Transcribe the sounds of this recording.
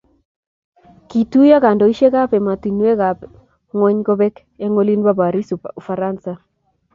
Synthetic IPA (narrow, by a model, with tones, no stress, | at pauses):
ki˨tu˦ja˦ka˨ndɔ˨i˦ʃe˦ɣa˦pɛ˨ma˨t̪i˨n˦e˦ɣa˨p | ŋwɛ˦ɲɡɔ˦βɛ˦k | e˦ŋo˦li˦nba˦ba˨ɾi˦su˨fa˨ɾa˦nsa˦